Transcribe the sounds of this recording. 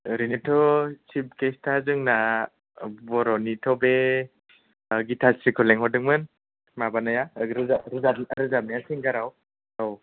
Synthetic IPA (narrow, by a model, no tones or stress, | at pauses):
ɾinitʰɔsip̚kestʰazɯŋna | bɔɾɔnitʰɔbe | ɡitʰasɾikʰɔleŋhɔdɯŋmɯn | mabanajaɾɯaɾɯzaɾɯzamnajasiŋɡaɾaw | aw